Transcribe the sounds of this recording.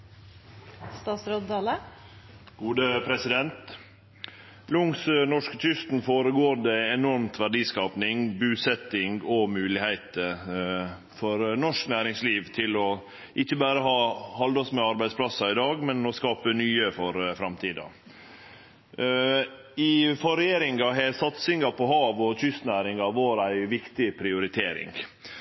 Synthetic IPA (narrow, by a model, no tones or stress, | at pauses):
st̪ɑːt̪sɾod̪ɑːlə | ɡ̥uːd̪əpʰɾɛsɪd̪ɛnt̪ | lʊŋsnɔʂkət̪ʰʏst̪nfoːɾəɡoːɖɛɛnɔɾmt̪ʰʋæɖiːskɑːpnɪŋbʉːsɛt̪ɪŋɔmʉːlɪhæɪt̪ə | fɔɾnɔʂknæːɾɪŋsliːʋt̪ʰɪlɔ | ʔɪçːəbæːɾəɦɑːhɑld̪ɔsmɛɑɾbæɪspʰlɑsɑɪd̪ɑːɡmɛnɔskɑːpənyːəfɔɾfɾɑmt̪ʰiːd̪ɑ̰ | ɪfɔɾɛjeːɾɪŋɑɦæːɾsɑt̪sɪŋɑpʰɔɦɑːʋɔtʏst̪næːɾɪŋɑʋɑːɾæɪʋɪkt̪ɪpʰɾɪʊɾɪt̪ʰeːɾɪ̰ŋ